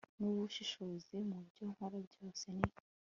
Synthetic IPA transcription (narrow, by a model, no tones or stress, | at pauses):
nuβuʃiʃozimubɟoːŋ̥hoɾabɟo̞ːse̞ni